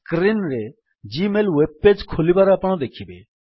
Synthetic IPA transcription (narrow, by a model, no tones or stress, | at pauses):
kɾinɾe | d͡ʒimelweb̚ped͡ʒkʰolibaɾaːpəɽ̃ɔd̪ekʰibḛ